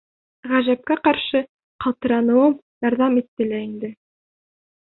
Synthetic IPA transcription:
ʁæʒæp̚kæqɑɾʃɤ | qɑlˠt̪ɤ̆ɾɑnɤ̆wɤm | jɑɾðɑmit̪ːɘlæind̪ɘ

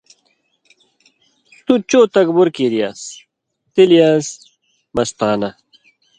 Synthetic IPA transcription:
t̪ut͡ɕoːt̪ɐkbuɾkiːɾijaːs | t̪ilijaːs | mɐst̪aːnɐ

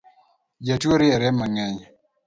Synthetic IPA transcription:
d͡ʒatoɾɪɛɾɛmaŋɛɲ

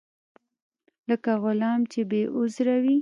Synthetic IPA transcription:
ləkaɣʊlɑmt͡ʃebeʔʊzɾawi

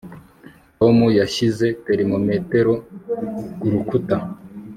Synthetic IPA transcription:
tomujaʃize̞pe̞ɾimomete̞ɾo̞ | ɡ̥uɾukuta

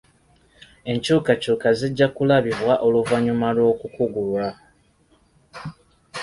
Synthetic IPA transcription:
e̞ɲcuːkacuːkaziɟːakulaβiβwaʔo̞luvaɲumalwo̞ːkukuɡulwa

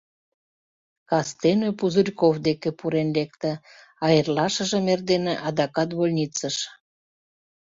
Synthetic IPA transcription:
kɑst̪enøpuzurʲkovd̪ekĕpuɾenlek̚t̪ə̆ | ɑjərlɑʃə̆ʒə̆merd̪eneʔɑd̪ɑkɑt̪βolʲnʲit͡səʃ

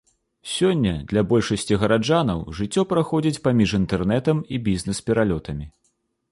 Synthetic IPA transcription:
sʲɔnʲːɐd̪lʲɐbɔlʲʂɐsʲt͡sʲiɣɐɾad͡ʐan̪ɐwʐɨt͡sʲːɔpɾaxɔd͡zʲit͡sʲpamʲiʂint̪ɛrnɛt̪ɐmibʲizʲnɛspʲɛɾalʲɔt̪ɐmʲi

